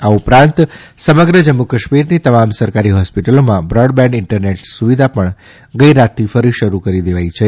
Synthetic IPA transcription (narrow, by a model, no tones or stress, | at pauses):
aupɾãnt̪ | səməɡɾəd͡ʒəmːukəʃmiɾnit̪əmamsəɾkaɾiɦɔspiʈəlomãbɾɔɖbɛ̃ɳɖɪɳʈəɾneʈsuʋid̪ʱapəɳ | ɡəiɾat̪ʰːifəɾiʃəɾukəɾid̪eʋajt͡ʃʰe